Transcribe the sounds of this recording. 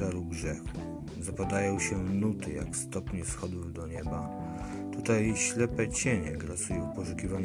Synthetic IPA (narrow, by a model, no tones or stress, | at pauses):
aɾuɡʐɛf | zapad̪ajɔ̃w̃ɕɛnut̪ɘja̰kst̪ɔpɲɛfsxɔd̪uvd̪ɔɲɛba | t̪ut̪ajɕlɛpɛt͡ɕeɲɛ̰ɡlasujɔ̃wpɔʂukʲivaɲ